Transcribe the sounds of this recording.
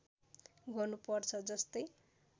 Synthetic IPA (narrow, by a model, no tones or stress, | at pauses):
ɡʱonupʌrt͡sʰʌd͡zʌst̪ʌj